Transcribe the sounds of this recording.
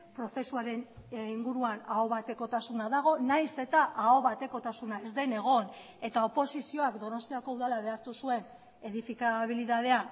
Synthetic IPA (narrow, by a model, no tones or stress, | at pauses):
pɾo̞θe̞suaɾe̞niŋɡuɾuanaoβat̪e̞ko̞t̪asunaðaɣ̞o̞najse̞t̪aʔao̞βat̪e̞ko̞t̪asunaezd̪e̞ne̞ɣ̞o̞n | e̞t̪ao̞po̞sisio̞akd̪o̞no̞st̪iako̞uðalaβ̞e̞aɾt̪usue̞n | e̞ðifikaβ̞iliðað̞e̞a